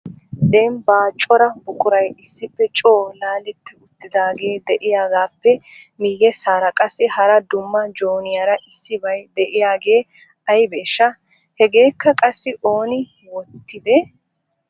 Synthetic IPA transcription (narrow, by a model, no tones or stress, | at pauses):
d̪ɛnbaːt͡ʃʼːɔɾɐbʊkʼʊɾɐjɪsːɪpːɛt͡ʃʼo̞ːlaːlɛt̪ːɪʊt̪ːɪd̪aːɡe̞ːd̪ɛʔɪjaːɡaːpːɛmiːjɛsaːɾɐkʼɐsːɪhɐɾɐd̪ʊmːɐd͡ʒoːnɪjaɾɐʔɪsːɪbɐjd̪ɛʔɪjaːɡe̞ː | ɐjbeːʃːɐ | hɛɡe̞ːkːɐkʼɐsːɪʔo̞ːnɪ | wɔt̪ːɪd̪ɛ